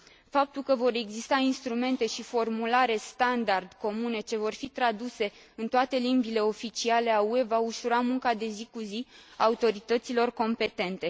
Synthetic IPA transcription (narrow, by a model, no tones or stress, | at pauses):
fap̚t̪ulkəvo̞ɾe̞ɡzist̪ainst̪ɾume̞nt̪e̞ʃifo̞rmulaɾe̞st̪and̪ard̪̥ko̞mune̞t͡ʃe̞vo̞rfit̪ɾad̪use̞ | ɨnt̪oat̪e̞limbile̞o̞fit͡ʃiale̞aue̞vauʃuɾamuŋkad̪e̞zikuziaut̪o̞ɾit̪ət̪silo̞rko̞mpe̞t̪e̞nt̪e̞